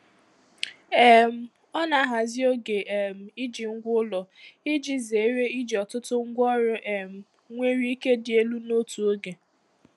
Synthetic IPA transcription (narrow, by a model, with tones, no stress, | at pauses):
ɛ˦m̩˦ | ɔ˦na˨˦ɦa˨zɪ˦o˦ɡe˨ʔe˨m̩˨i˦d͡ʒi˨ŋ̩˦ɡʷʊ˦lɔ˨ɪ˦d͡ʒi˦ze˨˦ɾe˦i˦d͡ʒi˨ɔ˨tʊ˦tʊ˦ŋ̩˦ɡʷɔ˦ɾʊ˦ʔe˨m̩˨ | ŋʷe˦ɾi˦i˦ke˦dɪ˨e˦lu˦no˦tu˨o˦ɡe˨